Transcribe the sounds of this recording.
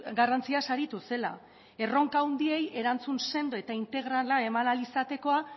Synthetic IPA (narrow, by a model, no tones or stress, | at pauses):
ɡarant͡siasaɾit̪use̞la̰ | e̞ro̞ŋkaund̪ie̞je̞ɾant͡sunse̞nd̪oe̞t̪aint̪e̞ɣɾalae̞manalisat̪e̞ko̞a